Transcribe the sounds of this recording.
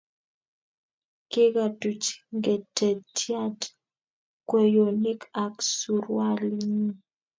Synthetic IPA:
kɪ˦ɡa˨tu˨t͡ʃŋɡe˨te˨tja˦t | kwe˨jo˨ne˦ka˨ksu˨ɾwa˦li˦ɲi˦

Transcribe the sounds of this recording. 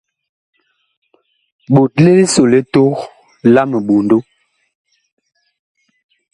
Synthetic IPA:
ɓo˨t̚le˦le˦so˨le˦to˦ɣ | la˦mə˨ɓo˨ndo˦

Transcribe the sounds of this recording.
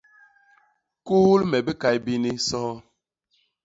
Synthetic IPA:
kuː˦lmɛ˨be˦ka˨jbi˦ni˦sɔː˦

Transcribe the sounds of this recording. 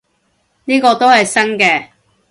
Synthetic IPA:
niː˥kɔː˧t̪o˥whɐ˨jsɐ˥ŋkɛː˧

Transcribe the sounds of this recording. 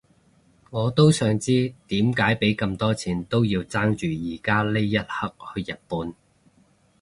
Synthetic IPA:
ŋɔː˨˧t̪o˥wsœː˨˧ŋt͡siː˥t̪iː˨˥mkaː˨˥jpe˨˥jkɐ˧mt̪ɔː˥t͡sʰiː˨˩nt̪o˥wjiː˧wt͡saː˥ŋt͡ʃyː˨jiː˨˩kaː˥le˥jjːɐ˥t̚hɐ˥k̚hɵ˧jɐ˨t̚puː˨˧n

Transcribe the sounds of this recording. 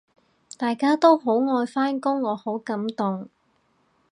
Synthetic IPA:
t̪aː˨jkaː˥t̪o˥wɦo˨˥wŋɔː˧jfaː˥nkʊ˥ŋːɔː˨˧ho˨˥wkɐ˨˥mt̪ʊ˨ŋ

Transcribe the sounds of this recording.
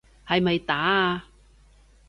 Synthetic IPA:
hɐ˨jmɐ˨jt̪aː˨˥˧

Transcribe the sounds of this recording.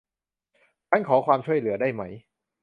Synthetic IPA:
tʰa˥˩nkʰɔː˩˦kʰwaː˧mt͡ɕʰu˥˩əjlɯ˩˦ɐdaː˥˩jma˦˥˩j

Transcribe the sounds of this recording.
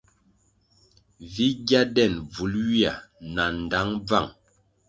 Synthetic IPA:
vi˦ɡja˦dɛ˦˨nb͡vu˨˦lɥi˦a̰˨na˨n˨da˨˦ŋb͡va̰˦˨ŋ

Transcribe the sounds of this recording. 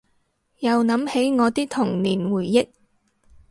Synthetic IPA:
jɐ˨wnɐ˨˧˥mhe˨˥jŋɔː˨˧t̪iː˥k̚t̪ʰʊ˨˩ŋniː˨˩nwuː˨˩jːɪ˥k̚

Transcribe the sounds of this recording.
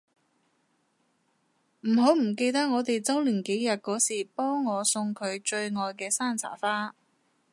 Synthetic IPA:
m̩˨˩ɦo˨˥wm̩˨˩k̬e˧jt̪ɐ˥k̚ŋɔː˨˧t̪e˨jt͡sɐ˥wliː˨˩nke˨˥jjɐ˨t̚kɔː˨˥siː˨˩pɔː˥ŋːɔː˨˧sʊ˧ŋkʰɵ˨˧ɥt͡ʃɵ˧ɥŋɔː˨jkɛː˧saː˥nt͡sʰa̰ː˨˩faː˥

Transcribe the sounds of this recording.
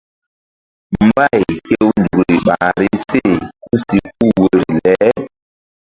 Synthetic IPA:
mm̩˦ba˦˨jkje˦wn˨dɾui˨i˨ɓa˨ɾi˦se˦˨ku˦si˨k̚u˦wə˨ɾlɛ˨˦

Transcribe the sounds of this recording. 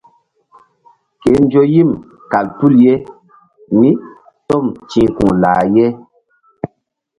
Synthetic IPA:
ke˨˦n˦d͡ʒo˦ji˦˨m | ka˨ltu˦˨lje˦ | mi˦ | tɔ˦˨mt͡ʃĩ˨˦kṵ̃˨laː˨je˦

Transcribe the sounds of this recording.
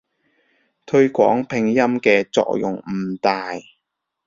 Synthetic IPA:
t̪ʰɵ˧ɥkʷɔ̰ː˨˥ŋpʰɪ˨˧ŋjɐ˥mkɛː˧t͡sɔ̰ː˧˨k̚jʊ̰˨ŋm̩˨˩t̪aː˨j

